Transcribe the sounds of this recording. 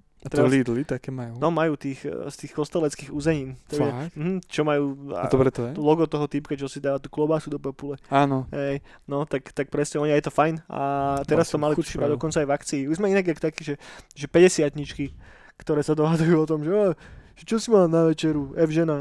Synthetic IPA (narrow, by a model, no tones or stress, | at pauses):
at̪ɾɛlid̪lit̪akɛmajuːnɔmajuːt̪iːxst̪iːxkɔst̪ɛlɛt͡skiːɣuːzɛɲiːnt̪ɛm̩ɦm̩t͡ʃɔmajṵːɔbɾɛt̪ɔɛlɔɡɔt̪ɔɦɔt̪ipkat͡ʃɔsid̪aʋat̪uklɔbaːsud̪ɔpɛpulɛaːnɔɦɛj | nɔt̪akt̪ak̚pɾɛsɲɛɔɲiajɛt̪ɔfajna̰t̪ɛɾast̪ɔmalipʃimad̪ɔkɔnt͡sajvakt͡siːuzmɛinaɡakt̪akiːʒɛʒɛpɛɟɛsɪat̪ɲit͡ʃki | kt̪ɔɾɛːsad̪ɔɦad͡zujuːɔt̪ɔmʒɛɔʒ̥ɛt͡ʃɔsimaːnaʋɛt͡ʃɛɾuɛvʒɛna